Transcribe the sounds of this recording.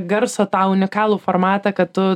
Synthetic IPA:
ɡɐɾsoːt̪ɑːʊnʲɪkɑːlˠuːfoːɾmɑːt̪ɐkɐt̪t̪ʊ

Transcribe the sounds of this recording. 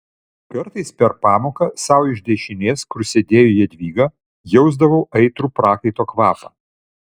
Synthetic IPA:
kɐɾt̪ɐɪspʲɛɾpɑːmoːkɐsɐˑʊɪʒʲd̪ʲɛʃʲɪnʲeːskʊɾsʲed̪ʲeːjujɛd̪ʲʋʲiːɡɐ | jɛʊzd̪ɐʋɐʊʔɐɪt̪ɾuːpɾɑːkɐɪt̪oːkʋɑːpɐ̰ː

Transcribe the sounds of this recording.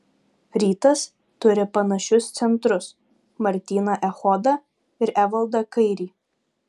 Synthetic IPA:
ɾʲiːt̪ɐs | t̪ʊɾʲɪpɐnɐʃʲʊst̪sʲɛnt̪ɾʊs | mɐɾʲt̪ʲiːnɐʔɛxɔd̪ɐ | ɪɾʔæʋɐlˠd̪ɐkɐɪɾʲiː

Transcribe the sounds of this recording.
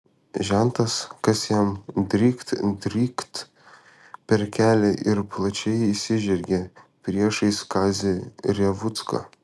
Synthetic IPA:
ʒʲænt̪ɐskɐsjɛmd̪ʲɾʲiːkt̪d̪ʲɾʲiːkt̪ | pʲɛɾkʲæːlʲɛʔɪɾplˠɐt͡ʃʲɛɪisʲɪʒʲɛɾʲɡʲepʲɾʲiɛʃɐɪskɑːzʲɪɾʲɛʋʊt̪skɐ̰ː

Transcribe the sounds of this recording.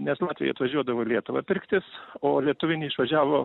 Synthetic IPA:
nʲɛslˠɑːt̪ʲʋʲɪjɛ̰ɐt̪ʋɐʒʲuɔd̪ɐʋoːlʲiɛt̪ʊʋɐpʲɪɾʲkt̪ʲɪsoːlʲiɛt̪ʊʋʲɪnʲɪːɪʃʋɐʒʲæːʋoː

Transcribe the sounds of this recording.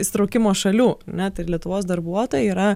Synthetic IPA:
ɪsʲɪt̪ɾɐʊkʲɪmoːʃɐlʲuːɐɾnʲɛt̪ɐɪlʲiɛt̪ʊʋoːsd̪ɐɾbuɔt̪oːjɛiːɾɐ

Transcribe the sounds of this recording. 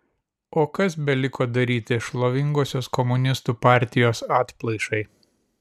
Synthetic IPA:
oːkɐsbʲɛlʲɪkoːd̪ɐɾʲiːt̪ʲɪʃlˠoʋʲɪŋɡoːsʲoːskɔmʊnʲɪst̪uːpɑˑɾʲt̪ʲɪjoːsɑːt̪ʲplˠɐɪʃɐɪ

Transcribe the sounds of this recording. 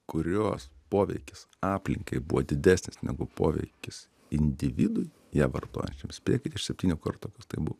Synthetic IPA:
kʊɾʲoːspoːʋʲɛ̰ɪkʲɪs | ɑːpʲlʲɪŋkɐɪbuʋoːd̪ʲɪd̪ʲæːsʲnʲɪsnʲɛɡʊpoːʋʲɛ̰ɪkʲɪs | ɪnʲd̪ʲɪʋʲiːd̪ʊj | jæːʋɐ̰rt̪o̰ːjɛ̰nʲt͡ʃʲɛmsʲpʲḛːkʲɪt̪ʲɪʃsʲɛpʲt̪ʲiːnʲuːkɐrt̪oːkɐst̪ɐɪbuʋo

